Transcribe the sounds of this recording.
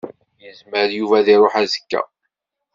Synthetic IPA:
jəzməɾjuvæðiɾˤoħæzə̥kːæ̰

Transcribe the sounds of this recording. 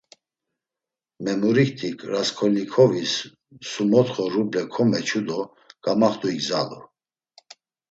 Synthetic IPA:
mɛmuɾikt̪ʰikʰʼɾaskʰɔlnikʰɔvisː | umɔt̪χɔɾublɛkʰɔmɛt͡ʃʰud̪ɔ | ɡ̥amaχt̪uiɡzalu

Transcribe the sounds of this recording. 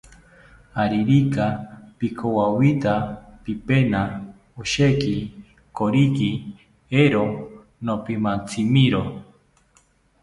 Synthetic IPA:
haɾiɾikapikʰowawit̪apipena | uʃeki | koɾiki | eɾo | nopimant͡sʰimiɾo

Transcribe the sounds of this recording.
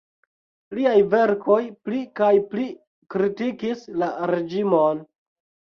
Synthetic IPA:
liajve̞ɾko̞jplikajpli | kɾitikislaɾe̞d͡ʒimon

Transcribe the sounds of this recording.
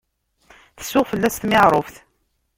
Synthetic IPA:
θə̥sːʊʁfəlːæst̪mɪʁɾˤofθ

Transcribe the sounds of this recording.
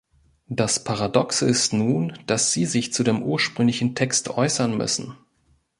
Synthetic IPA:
d̥aspʰaʁadɔksəɪstnuːnd̥asz̥iːzɪçt͡sudeːmʔuːɐʃpʁ̥ʏŋlɪçn̩tʰɛkstʔɔʏsɐnmʏ̰sn̩

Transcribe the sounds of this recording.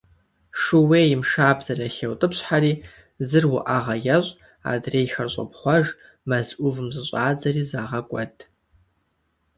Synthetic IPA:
ʂɨweːjimʂaːbzɐraɬewtʼɨpɕħariː | zɨrwʊʔaʁɐjɐɕʼ | a̰ːdreːjxɐrɕʼɐ̰pχʷɐʒ | mɐzʔʷʊvɨmzɨɕʷʼaːd͡zɐriːzaːʁɐkʷʼɔtʰʼ

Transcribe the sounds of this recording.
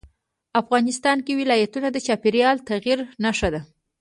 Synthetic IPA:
afɣɑnɪst̪ɑnkewɪlɑjat̪unad̪ət͡ʃɑpeɾjɑlt̪aɣiɾnaʃad̪a

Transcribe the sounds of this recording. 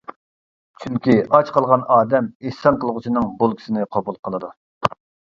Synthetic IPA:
t͡ʃʰyŋkʲiʔɑt͡ʃqʰɑlˠʁɑnɑːd̪ɛmihsɑnqəlˠʁʊt͡ʃʰinɨŋbulˠkʲʰi̥sɪnɪqʰobulˠqʰəlˠɨd̪u

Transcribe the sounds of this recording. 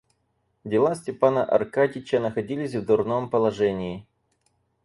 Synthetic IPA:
dʲɪlˠasʲtʲɪpanəʔɐ̰rkadʲɪt͡ɕənəxɐdʲilʲɪsʲvd̪ʊrno̞mpəlˠɐʐɛnʲɪː

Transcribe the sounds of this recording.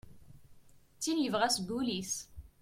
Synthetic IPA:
t͡sːinjəvʁæsɡulis

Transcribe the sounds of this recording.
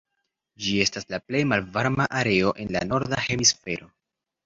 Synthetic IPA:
d͡ʒie̞staslaple̞jmalvaɾmaʔaɾe̞o̞ʔe̞nlano̞ɾdahe̞misfe̞ɾo̞

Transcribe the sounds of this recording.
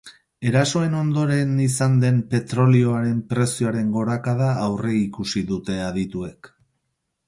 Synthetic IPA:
e̞ɾaso̞e̞no̞nd̪o̞ɾe̞nisand̪e̞mpe̞t̪ɾo̞lio̞aɾe̞mpɾe̞sioaɾe̞ŋɡo̞ɾakað̞aːwre̞ikusiðut̪e̞aðit̪ue̞k

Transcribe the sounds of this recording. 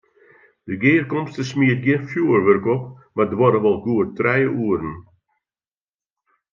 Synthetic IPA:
d̥əɡɪːrkɔmstəsmiət̚ɡjɪənfjuərʋørkɔp̚mardəʋɔɾəʋɔlˠɡuətrɛjəʔuəɾən̩

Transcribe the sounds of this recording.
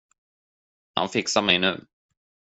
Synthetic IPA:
ha̰nfɪksamɛjnʉ̟̰ː

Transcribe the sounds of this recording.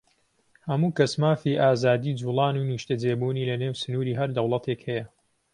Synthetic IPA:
hɐmuːkɐsmaːfiːʔaːzaːd̪iːd͡ʒuːlˠɑːnuːnuʃt̪ɐd͡zeːbuːniːlɐneːwsɨnuːɾiːɦɐɾd̪ɐwlˠɐt̪ʰekhɛjɐ

